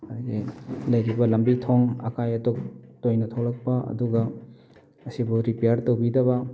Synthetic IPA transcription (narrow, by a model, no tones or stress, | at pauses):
adɡelɐjɾibɐlɐmbitʰoŋɐ̰kajɐtok̚tojnɐtʰowlɐk̚pɐɐ̰duɡɐ | ɐsibuɾipejaɾtowbidɐβɐ